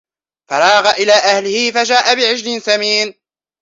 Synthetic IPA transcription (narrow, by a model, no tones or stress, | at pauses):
fɑɾˤɑːɣaʔɪlaːʔahlɪhɪfad͡ʒaːʔabɪʕɪd͡ʒlɪnsamiːn